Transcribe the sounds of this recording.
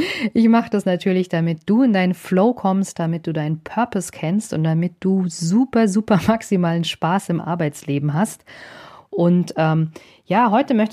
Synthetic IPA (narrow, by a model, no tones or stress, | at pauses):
ʔɪçmaχəd̥asnatʰyːɐlɪçd̥amɪt̚d̥uːɪndaɪnənfloʊkʰɔmst̚d̥amɪt̚d̥uːdaɪnənpʰœɐpɔskʰɛnstʊ̰nt̚d̥amɪt̚d̥uːzuːpɐzuːpɐmaksimaːlənʃpaːsɪmʔa̰ɐbaɪt͡sleːbm̩ɦast | ʔʊntʔɛːm | jaːɦɔʏtəmœçt